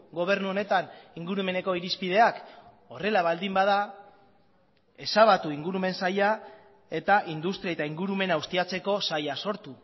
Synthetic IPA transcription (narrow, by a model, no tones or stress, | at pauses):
ɡo̞β̞e̞ɾnuo̞ne̞t̪aniŋɡuɾume̞ne̞ko̞iɾispið̞e̞ak | o̞re̞laβald̪imbaða | e̞saβat̪uiŋɡuɾume̞nsaja | e̞t̪aʔind̪ust̪ɾiaet̪aiŋɡuɾume̞naust̪iat͡se̞ko̞sajaso̞ɾt̪u